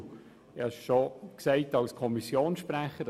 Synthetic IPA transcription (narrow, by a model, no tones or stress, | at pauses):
ɛɪʃʃoksɛɪtɑlskʰɔmisjoːnsʃpræχə